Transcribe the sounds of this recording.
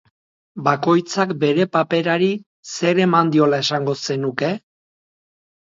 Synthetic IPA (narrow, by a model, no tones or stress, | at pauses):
bako̞jt͡sakbe̞ɾe̞pape̞ɾaɾi | se̞ɾe̞mand̪io̞lae̞saŋɡo̞se̞nuke̞